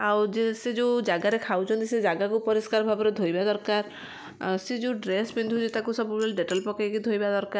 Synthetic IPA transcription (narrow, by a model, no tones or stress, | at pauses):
awd͡ʒesed͡ʒewd͡ʒaɡaɾekʰawt͡ʃʰɔnt̪ised͡ʒaɡakupɔɾiskaɾbʱabɔɾed̪ʱojbad̪ɔɾkaɾ | sed͡ʒew̃ɖɾesbind̪ʱud͡ʒet̪akusɔbubelɖeʈalpɔkajkid̪ʱojbad̪ɔɾkaɾ